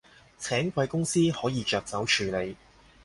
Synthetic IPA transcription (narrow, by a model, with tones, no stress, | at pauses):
t͡sʰɛː˨˥ŋkwɐ˧jkʊ˥ŋsiː˥hɔː˨˥jiː˨˧t͡ʃœː˨˧k̚t͡sɐ˨˥wt͡ʃʰyː˨˧le˨˧j